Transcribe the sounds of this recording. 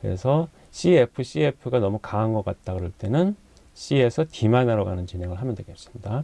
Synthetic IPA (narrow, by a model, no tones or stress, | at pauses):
kɯɾḛsʰʌ | ɕ͈ʰiepʰɯɕ͈ʰie̞pʰɯɡanʌmukaːnɡʌk͈at̚t͈aɡɯɾʌɭt͈e̞nɯn | ɕ͈ʰie̞sʰʌtimanaɾʌɡanɯnt͡ɕineŋɯɭɦamjʌndweɡʌs͈ɯmɲida